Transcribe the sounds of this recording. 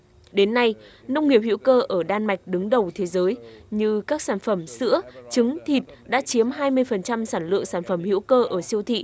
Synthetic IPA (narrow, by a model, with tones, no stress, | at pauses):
ɗe˨˦nːa˧j | nə˧wŋ͡mŋi˨˩əp̚hḭ˧˥wkəː˧ʔəː˧˩ɗaː˧nma˨˩jk̟̚ɗɨ˨˦ŋɗə˨˩wt̪ʰe˨˦zəː˨˦jɲɨ˧kaː˦˥k̚saː˧˩nfə˧˩msɨ̰˧˥ət͡ɕɨ˨˦ŋt̪ʰi˨˩t̚ɗa̰ː˧˥t͡ɕi˨˦əmɦaː˧jmɨ˧əjfə˨˩nt͡ɕa˧msaː˧˩nlɨ̰˧˨əŋsaː˧˩nfə˧˩mhḭ˧˥wkəː˧ʔəː˧˩si˧əwt̪ʰḭ˧˨